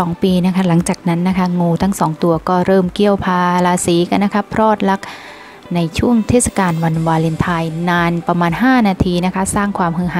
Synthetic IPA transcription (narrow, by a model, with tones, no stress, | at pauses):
ɔː˩˦ŋpiː˧na˦˥kʰa˦˥la˩˦ŋt͡ɕaː˨˩k̚na˦˥nːa˦˥kʰa˦˥ŋuː˧t̪ʰa˦˥ŋsɔː˩˦ŋt̪u˧ɐkɔː˥˩ɾɤː˥˩mki˧˥˩əwpʰaː˧laː˧siː˩˦ka˧nːa˦˥kʰa˦˥pʰɾɔː˥˩t̪̚la˦˥k̚ | na˧jt͡ɕʰu˥˩əŋt̪ʰeː˥˩t̪̚sa˧kaː˧nwa˧nwaː˧le˧nt̪ʰa˧jnaː˧npɾa˧maː˧nɦaː˥˩naː˧t̪ʰiː˧na˦˥kʰa˦˥saː˥˩ŋkʰwaː˧mɦɯː˧˩ɦa˨˦